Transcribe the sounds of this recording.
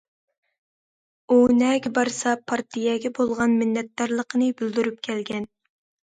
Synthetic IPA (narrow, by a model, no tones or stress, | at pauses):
unɛɡʲɛbɑɾsɑpʰɑɾt̪ʰijɛɡʲɛbolˠʁɑnmɪnːɛt̪̚d̪ɑɾlˠəqʰənɨbyld̪yɾypkʲʰɛlɡʲɛn